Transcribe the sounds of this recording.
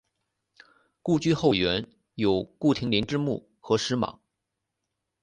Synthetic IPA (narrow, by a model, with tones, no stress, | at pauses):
ku˥˧t͡ɕy˥˧xo˥˩ʊɥɛ˧˥n | jo˨˩ʊku˥˩t̪ʰi˧˥ŋli˧˥nʈ͡ʂɻ̩˥˧mṵ˥˩ | xɤ˧˥ʂɻ̩˧˥mɑ̰˨˩˦ŋ